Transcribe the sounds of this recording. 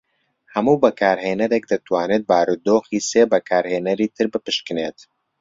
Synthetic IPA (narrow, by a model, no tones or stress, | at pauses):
hɐmuːbɐkʰaːɾɦeːnɐɾek̚d̪ɐt̪ʰwaːneːt̪̚baːɾud̪oːxiːseːbɐkʰaːɾheːnɐɾiːt̪ʰɨɾbɨpɨʃkɨneːt̪